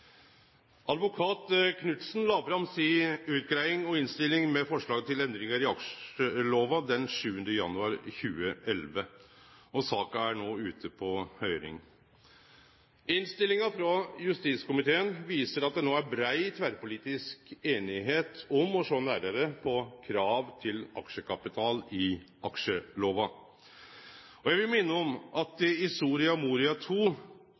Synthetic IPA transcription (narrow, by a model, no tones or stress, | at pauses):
ʔɑd̪ʋʊkʰɑːt̪kʰnʉt̪sn̩lɑːbɾɑmsiːʉːt̪̚ɡɾæɪɪŋɔɪnst̪ɪlːɪŋmɛfɔʂɭɑːɡət̪ʰɪlɛnd̪ɾɪŋəɾɪɑkʂəloːʋɑd̪ɛnʂʉːənd̪əjɑ̰nʉɑɾçʉːəʔɛlʋə | ɔsɑːkɑæɳoːʉːt̪ʰəpʰɔhœʏɾɪ̰ŋ | ɪnst̪ɪlːɪŋɑfɾɑjʉst̪iːt̪skʊmɪt̪ʰeːənʋiːsəɾɑt̪̚d̪ɛnoːæɾbɾæɪt̪ʰʋæɾpʊliːt̪ɪskeːnɪɦeːt̪ɔmɔʂoːnæːɾəɾəpʰɔkʰɾɑːʋt̪ʰɪlɑkʂəkʰɑpɪt̪ʰɑːlɪ | ɑkʂəloːʋɑ | ɔjæɪʋɪlmɪnːəɔmʔɑt̪ɪsuːɾɪɑmuːɾɪɑt̪ʰuː